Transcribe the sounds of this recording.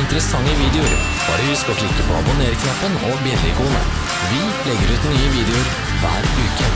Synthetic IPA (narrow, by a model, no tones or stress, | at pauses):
ɪnt̪əɾəsɑŋːəʋiːd̪ɛʊɾ | bɑ̰ːɖɛhʉskɔʈlɪkːəpʰɔ̰ɑ̰bʊneːɾkʰnɑpːənɔbjɛlɪ̰ɡʊːnə̰ | ʋɪ | lɛɡːəɾʉːt̪nyːəʋiːd̪ɛʊɾ | ʋæ̰ːɾʉːkə